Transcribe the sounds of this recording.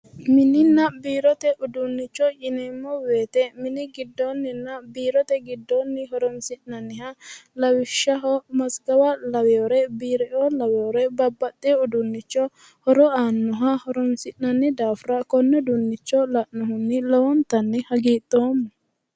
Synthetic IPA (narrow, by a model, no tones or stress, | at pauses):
mɪnɪnːɐbiːɾɔt̪ɛʔʊd̪ʊnːɪt͡ʃːɔt͡ʃʼɪnɛmːɔweːt̪ɛmɪnɪɡɪd̪ːɔnːɪnːɐbiːɾɔt̪ɛɡɪd̪ːɔnːɪɦɔɾɔnsɪʔnɐnːɪhɐlɐwɪʃːɐɦɔmɐsɡɐwɐlɐwɛɔɾɛbiːɾɛʔɔlɐwɛɔɾɛbɐbːɐt̪ʼːɛɔd̪ʊnːɪt͡ʃːɔ | hɔɾɔaːnːʊɦɐhɔɾɔmsɪʔnɐnːɪd̪aːfɾɐkɔnːɛd̪ʊnːɪt͡ʃːɔlɐʔːɔɦʊnːɪlɔwɔnt̪ɐnːɪhɐɡiːt̪ʼːoːmː